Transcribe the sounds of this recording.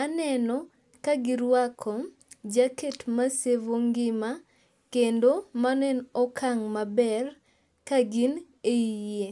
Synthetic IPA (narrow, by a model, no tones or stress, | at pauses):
anɛnɔ | kaɡɪɾwakʰɔ | d͡ʒaketmasevoŋɡɪma | kendomanɛnɔkʰaŋmabɛr | kaɡin | eije